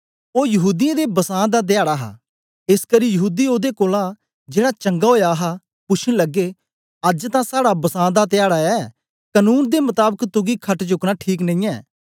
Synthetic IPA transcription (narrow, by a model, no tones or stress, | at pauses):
oːjəɦuːd̪ijãːd̪ebəsãːd̪aːt̪̬ɪjaːɽaːɦa̰ː | ɪskəɾiːjəɦuːd̪iːoːd̪ekoːlãː | d͡ʒeːɽaːt͡ʃə̃ŋɡaɦoːjaːɦaː | pʊt͡ʃʰnləɡːeː | əd͡ʒt̪ãːsaːɽabəsãːd̪aːt̪ɪjaːɽaːɛː | kənuːnd̪emʊt̪aːbəkt̪ʊɡiːkʰəʈd͡ʒʊkɽaːʈʰiːknə̃ĩːɛː